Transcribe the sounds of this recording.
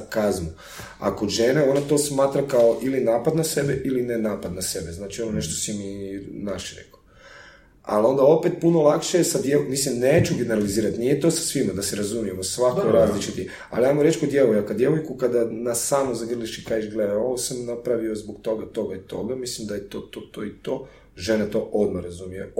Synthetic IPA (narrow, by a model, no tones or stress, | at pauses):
kazmu | a̰koʒeneo̞nat̪o̞ːsmaːt̪ɾakaoʔilinaːpad̪nase̞beʔilinenaːpad̪nase̞beznaːt͡ʃiononeʃt̪osiminaʃiɾḛko̥ | a̰lo̞nd̪ao̞pet̪̚punolˠakʃejesad̪jemislimneːt͡ʃuɡeneɾaliziːɾat̪nijet̪o̞sḁsʋimad̪aseɾazumijemosʋakoɾaːzlit͡ʃit̪i | a̰liajmoɾet͡ʃkod̪jeʋojakad̪je̞ʋojkukad̪anasaːnozaɡr̩liʃikaiʒɡled̪ao̞ʋosamnapɾaʋiozboɡt̪o̞ɡat̪o̞ɡait̪o̞̰ɡamislimd̪ajet̪oːt̪oːt̪oːit̪o | ʒenet̪o̞ʔo̞d̪maɾazumijḛ